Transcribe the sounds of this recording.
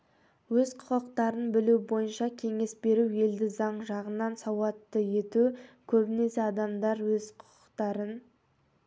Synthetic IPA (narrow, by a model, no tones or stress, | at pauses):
wɵzqʰʊ̥qəqt̪ɑɾənbɪlubo̞jənʃɑkʲʰe̞ŋe̞sbe̞ɾue̞ld̪ɪzɑɴʒɑʁənːɑnsɑwɑt̪ːəje̞t̪ukʲʰɵbɪne̞seɑd̪ɑmd̪ɑɾwɵz̥qʰʊ̥qə̥qt̪ɑɾən